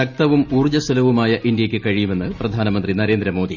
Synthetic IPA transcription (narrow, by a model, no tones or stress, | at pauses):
ɐk̚t̪ɐʋumuːrd͡ʑɐsɐlɐʋumaːjɐʔind̪jɐkʲːɨkɐɻijume̞nːɨprɐd̪ʱaːnɐmɐnd̪rinɐɾe̞ːnd̪ɾɐmo̞ːd̪i